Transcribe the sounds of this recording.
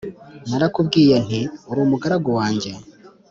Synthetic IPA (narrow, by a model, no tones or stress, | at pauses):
naɾakubɡiːjen̥iuɾuːmuɡaɾaɡowaːɲɟe